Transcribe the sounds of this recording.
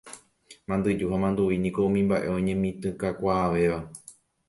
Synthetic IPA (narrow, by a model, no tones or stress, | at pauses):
mãnd̪ɨd͡ʒuɦamãnd̪uʋinĩko̞ũmĩmbaʔe̞õɲẽmĩt̪ɨ̃kakʷaːʋe̞ʋa